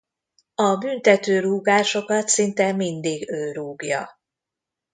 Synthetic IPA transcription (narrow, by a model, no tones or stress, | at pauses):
ɒbynt̪ɛt̪øːɾuːɡaːʃo̞kɒt̪sint̪ɛmind̪iːɡøːɾuːɡjɒ̰